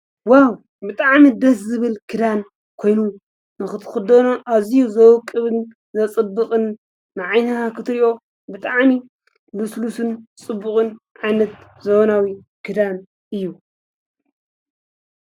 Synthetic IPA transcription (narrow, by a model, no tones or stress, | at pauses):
waw | bɨt̪ʼaʕmid̪ɐszɨβɨlkʰɨd̪an | kʰo̞jnu | nɨxɨt̪ʰɨ̥xɨd̪ɐnoʔaβzijuzɐwkʼːɨβɨn | zɐt͡sʼɨbːɨxʼɨnː | ɨʕajnɨhakʰɨt̪ʰɨɾiʔo̞ | bɨt̪ʼaʕmi | luslusɨnt͡sʼɨbːɨχʼɨn | ʕajnɐt̪zɐβonawi | kʰɨd̪an | ʔɨjːu